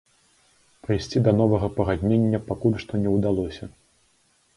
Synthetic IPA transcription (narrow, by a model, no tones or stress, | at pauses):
pɾɨjsʲt͡sʲid̪ɐn̪ɔvɐɣɐpɐɣad̪ʲnʲenʲːɐpakulʲʂt̪ɔnʲɛwd̪alˠɔsʲɐ